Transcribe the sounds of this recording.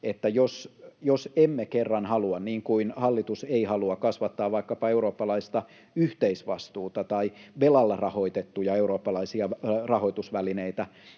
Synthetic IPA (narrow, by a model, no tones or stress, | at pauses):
et̪ːæjosjosemːekerːɑnhɑluɑnniːŋkuinhɑlːit̪useihɑluɑkɑsʋɑt̪ːɑːʋʋɑikːɑpɑeuroːpːɑlɑist̪ɑ | yht̪eisʋɑst̪uːt̪ɑt̪ɑiʋelɑlːɑrɑhoit̪et̪ːujɑeuɾoːpːɑlɑisiɑrɑhoit̪usʋælineit̪æ